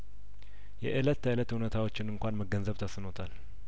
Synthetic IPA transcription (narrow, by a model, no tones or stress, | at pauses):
jɛ̰ʔɨlət̪ʰːələt̪unət̪ʰawo̞t͡ʃːɪnɨŋkʷanməɡənzəβt̪ʰəsɨnot̪ʰal